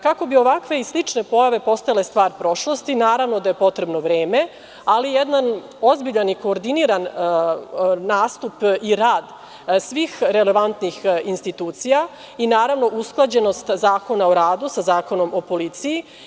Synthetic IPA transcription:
kako̞bio̞ʋakʋe̞islit͡ʂne̞po̞jaʋe̞po̞st̪ajale̞st̪ʋaːɾpɾo̞ʃlo̞st̪inaːɾaʋno̞d̪aje̞po̞t̪ɾe̞bno̞ʋɾeːme̞ | alijed̪nan | ozbiʎaniko̞ːɾd̪iniɾan | aːst̪upiɾaːd̪ | sʋiːxɾe̞le̞ʋant̪nixinst̪it̪uːt̪sija | inaːɾaʋno̞ʔusklˠad͡ʑe̞no̞st̪zaːko̞naoɾaːd̪usazaːko̞no̞mo̞po̞lit̪siji

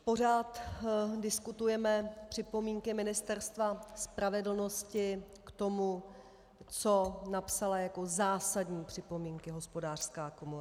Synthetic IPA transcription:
po̞r̝aːt̪dɪskut̪ujɛmɛpr̥ɪpo̞miːŋkɪmɪnɪst̪ɛɾst̪vaspɾavɛdl̩no̞scɪ | kt̪o̞mu | t͡so̞napsalajako̞zaːsadɲiːpr̝̥ɪpo̞miːŋkɪɦo̞spo̞daːr̥skaːko̞mu

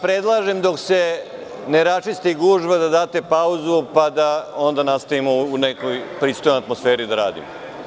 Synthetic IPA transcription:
pɾed̪lˠaːʒemd̪o̞kse̞ | neɾat͡ʃist̪iɡuːʒbad̪ad̪aːt̪e̞pauzupad̪ao̞nd̪anast̪aimo̞unekojpɾiːst̪ojnojat̪mosfe̞ːɾid̪aɾa̰ːd̪ḭmo

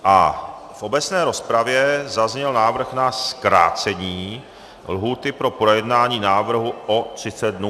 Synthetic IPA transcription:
ʔa | fʔo̞bɛt͡snɛːɾo̞spɾavjɛzazɲɛlnaːvr̩xnaskɾa̰ːt͡sɛɲiː | lɦuːt̪ɪpɾo̞pɾojɛd̪naːɲiːnaːvr̩ɦuʔot̪r̝̥ɪt͡sɛd̪̚dnuː

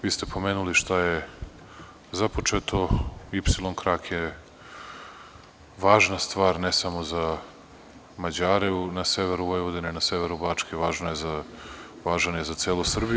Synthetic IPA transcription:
ʋiːst̪e̞po̞meːnuliʃt̪aje | zapo̞t͡ʂet̪o̞ipsilˠo̞nkɾaːkje | ʋaːʒnast̪ʋaːɾnesamoza | mad͡ʑaːɾenaseʋeɾuʋojʋod̪enenaseʋeɾubaːt͡ʂkeʋaːʒnojeza | ʋaːʒanjezat̪seːlˠusr̩bi

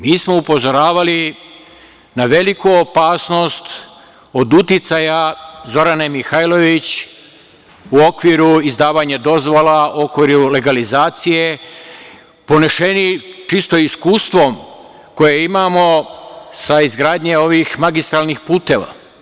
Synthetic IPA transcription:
miːsmo̞upo̞zo̞ɾaːʋali | naʋe̞likuopaːsno̞st̪ | o̞d̪ut̪it̪sajazo̞ɾanemixajlo̞ʋit͡ɕ | uo̞kʋiɾuizd̪aːʋaɲad̪o̞zʋolauokʋiɾule̞ɡalizaːt̪sije | poneʃenit͡ʃist̪o̞iskuːst̪ʋo̞m | ko̞jeimaːmo̞saizɡɾaːd̪ɲeo̞ʋixmaɡist̪ɾalnixpuːt̪e̞ːʋa̰

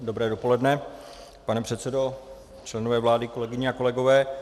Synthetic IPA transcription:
dobɾɛːdo̞po̞lɛdnɛ | panɛpr̥ɛt̪sɛdo̞ | t͡ʃlɛnovɛːvlaːdɪko̞lɛɡɪɲɛako̞lɛɡovɛː

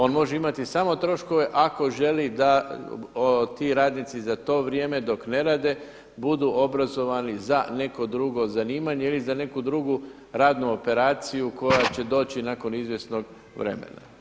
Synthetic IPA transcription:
o̞ːnmo̞ʒeimat̪isaːmo̞t̪ɾo̞ʃko̞ʋe̞ʔako̞ʒe̞lid̪a | ot̪iːɾaːd̪nit̪sizat̪o̞ːʋɾjeːme̞d̪o̞kne̞ɾaːd̪e̞ | bud̪uʔo̞bɾazo̞ʋanizane̞ko̞d̪ɾuɡo̞zaniːmaɲeilizane̞kud̪ɾuɡu | ɾaːd̪nuo̞pe̞ɾaːt̪sijuko̞jat͡ɕe̞d̪o̞ːt͡ɕinaːko̞nizʋje̞sno̞ɡ | ʋɾe̞̰mḛna̰

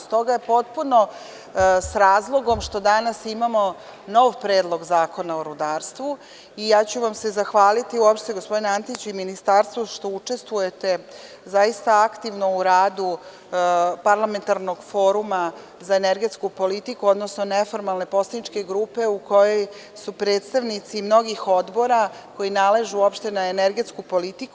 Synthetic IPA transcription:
st̪o̞ɡaje̞po̞t̪̚puno̞ | sɾaːzlˠo̞ɡo̞mʃt̪o̞d̪anasimamo̞ | no̞ʋpɾe̞ːd̪lˠo̞ɡzaːko̞naoɾud̪aːɾst̪ʋu | ijaːt͡ɕuʋamse̞zaxʋaːlit̪iuopʃt̪t̪eɡospo̞d̪ineant̪it͡ɕuiminist̪aɾst̪ʋoʃt̪o̞ut͡ʃe̞st̪ʋuje̞t̪e̞ | zaist̪aakt̪iʋno̞uɾaːd̪u | paɾlame̞nt̪aɾno̞ɡfo̞ːɾuma | zaeneɾɡe̞t̪skupo̞lit̪ikuo̞d̪nosnonefo̞ɾmalˠne̞po̞slanit͡ʃke̞ɡɾuːpe̞uko̞jo̞j | supɾeːt̪st̪aʋnit̪simno̞ɡixo̞d̪bo̞ɾa | ko̞jinale̞ʒuuo̞pʃt̪e̞naeneɾɡe̞t̪skupo̞lit̪iku

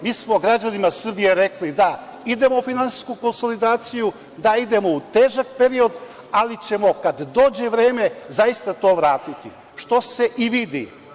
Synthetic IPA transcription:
miːsmo̞ɡɾad͡ʒanimasr̩bije̞ɾeklid̪aid̪e̞mo̞finansi̥skuko̞nso̞lid̪aːt̪siju | d̪aid̪e̞mo̞ut̪e̞ːʒak̚pe̞ɾio̞d̪ | alit͡ɕe̞mo̞kad̪ːo̞ːd͡ʑe̞ʋɾe̞ːme̞zajist̪at̪o̞ːʋɾaːt̪it̪i | ʃt̪o̞se̞ʔiʋid̪ḭ

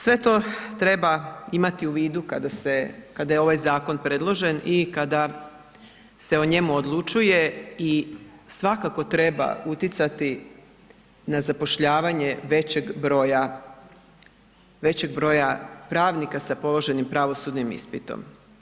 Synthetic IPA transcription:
sʋe̞t̪o̞t̪ɾe̞baimat̪iuʋiːd̪ukad̪ase̞kad̪ajeo̞ʋajzaːko̞npɾe̞d̪lˠo̞ʒe̞nikad̪a | se̞o̞ɲe̞muod̪lˠut͡ʃuje̞isʋakako̞t̪ɾe̞ba̰ut̪jit̪sat̪i | nazapo̞ʃʎaːʋaɲe̞ʋe̞t͡ɕeɡbɾo̞ja | ʋe̞t͡ɕe̞ɡ̚bɾo̞japɾaːʋnikasapo̞lˠo̞ʒe̞nimpɾaʋo̞sud̪nimḭspit̪o̰m

